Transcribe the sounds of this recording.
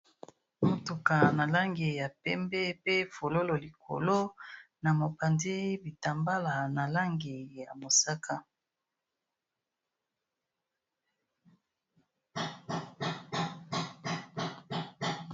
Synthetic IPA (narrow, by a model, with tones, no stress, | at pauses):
mo˦tu˨ka˨na˨la˦ŋɡi˨ja˨pɛ˦mbɛ˦pe˦fo˨lo˦lo˨li˨kʰo̰˨lo˦ | na˨mo˨pa˨ndi˦bi˨ta˨mba˦la˨na˨la˦ŋɡi˨ja˨mo˨sa˦ka˦